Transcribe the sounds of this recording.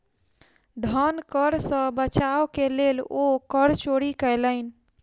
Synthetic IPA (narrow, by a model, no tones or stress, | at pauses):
d̪ʱənkəɾsə̃bət͡ʃawkelelokəɾt͡ʃoɽikələɪn̆